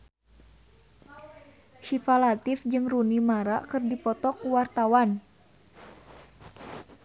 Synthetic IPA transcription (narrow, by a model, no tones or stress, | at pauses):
ʃifalat̪ɪfd͡ʒɨŋrunimaɾakɨrdipɔt̪ɔkwart̪awan